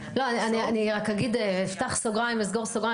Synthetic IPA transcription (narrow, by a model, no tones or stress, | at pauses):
lo̞anianianiʁakaɡid̪eeft̪aχsoɡʁajimezɡoʁsoɡʁa